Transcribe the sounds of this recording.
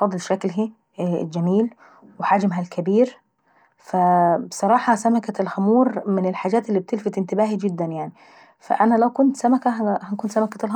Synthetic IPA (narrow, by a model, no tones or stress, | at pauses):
fɑd̪ˤːlʃæklɦḭ | ld͡ʒæmiːl | wħad͡ʒmɦælkʰɪbiːɾ | fæbsˤɑɾˤɑːħɑsamakalxamuːɾˤmɪnɪlħaːd͡ʒæːt̪ɪlːib̚t̪ɪlfɪt̪ʔɪnt̪ɪbaːhid͡ʒɪd̪ːænjaʕni | fæ̰ʔænælæwkʊnt̪sæmækæhækunt̪samækæl